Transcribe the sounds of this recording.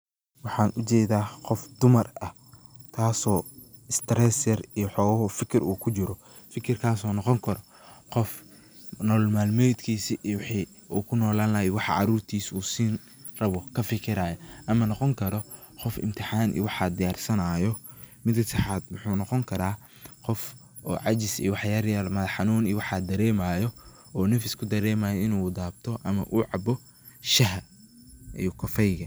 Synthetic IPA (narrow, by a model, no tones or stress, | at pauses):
wɑħɑːnʔʊt͡ʃɛːðaːqɔfd̪ʊmɐrɐh | t̪ʰaːsɔː | ɪst̪ʰɾɛsɛrijɔħɔːwɐɦɔfɪkʰɪruːkʰʊt͡ʃɪɾɔ | fɪkʰɪrkʰaːsɔːnɔqɔŋkʰɐɾɔ | qɔf | nɔːlmaːlmɛjd̪kʰiːsiʔwɑħiː | uːkʰʊnɔːlaːnlɐɦɛwɑħɑ̰ʕɑ̰ɾuːrt̪ʰiːsuːsiːn | rɐβɔkʰɐfɪkʰɪɾaːjɐʔɐmɐnɔqɔŋkʰɐɾɔ | qɔfɪ̰mt̪ʰɪħɑːnʔḭːwɑħɑd̪ɪjaːrsɐnaːjɔmɪd̪kʰɐsɐħaːd̪wʊħuːnɔqɔŋkʰɐɾaː | qɔf | ɔ̰ːʕɑt͡ʃɪsḭwɑħjɐɾjalmɐðħɑnuːniwɑħɑd̪ɐɾɛːmaːjɔ | ɔːnɛfɪskʰʊd̪ɐɾɛːmaːjɔɪnuːd̪aːbt̪ʰɔʔɐmɐ̰ʔuːʕɑbɔ | ʃɐɦɐ | ʔḭjɔkʰɔfɛjɣɐ